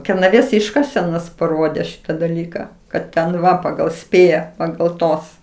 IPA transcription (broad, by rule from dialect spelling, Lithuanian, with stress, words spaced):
kʲɛrnɐˈʋʲeːs ˈɪʃkɐsʲɛnoːs pɐˈroːdʲeː ˈʃʲɪtɐ dɐˈlʲiːkɐ kɐt tʲɛn ˈʋɐ pɐɡɐlˠ ˈsʲpʲeːjɛ pɐɡɐlˠ ˈtoːs